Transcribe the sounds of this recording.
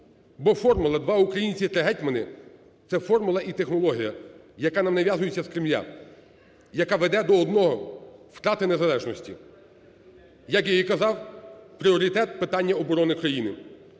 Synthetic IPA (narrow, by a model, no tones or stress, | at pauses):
bɔfɔrmʊlˠɐd̪ʋɑukɾɐjinʲt͡sʲit̪ɾɪɦɛtʲmɐnɪ | t̪sɛfɔrmʊlˠɐʔit̪exnɔlˠɔɦʲijɐ | jɐkɑnɐmnɐʋʲjazʊjet͡sʲːɐskɾɪmlʲa̰ | jɐkɑʋed̪ɛd̪ɔɔd̪nɔɦɔft̪ɾɑt̪ɪnezɐlˠɛʒnɔsʲtʲḭ | jɐkjɔjikɐzɑwpɾʲiɔɾʲit̪ɛt̪pɪt̪ɑnʲːɐɔbɔɾɔnɪkɾɐjinɪ